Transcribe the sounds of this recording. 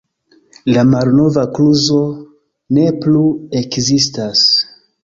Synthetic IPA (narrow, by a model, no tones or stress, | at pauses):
lamalno̞vakluzo̞ | ne̞plue̞kzistas